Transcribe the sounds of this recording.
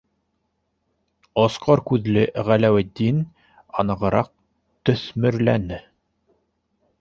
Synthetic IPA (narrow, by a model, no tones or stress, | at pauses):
ɒsqɑɾkʉðlɘʁælæwɘ̆d̪in | ɑnɤ̆ʁɤ̆ɾɑq̚ | t̪ɵ̆θmɘ̆ɾlænɘ